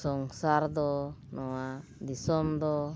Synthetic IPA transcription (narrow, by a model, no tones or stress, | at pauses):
sɔŋsaɾd̪ɔnɔwad̪isɔmd̪ɔ